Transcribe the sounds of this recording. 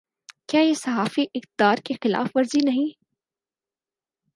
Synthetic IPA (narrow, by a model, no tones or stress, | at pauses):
kjaːjesɐɦaːfiʔɪxt̪̚ɪd̪aːɾkexɪla̰ːfʋɐɾzinɐɦĩ